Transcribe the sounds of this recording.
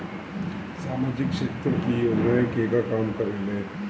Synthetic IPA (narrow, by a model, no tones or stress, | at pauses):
saːmaːd͡ʒɪkʃet̪ɾəkijod͡ʒnajəkekakaːmkɐɾeːlẽː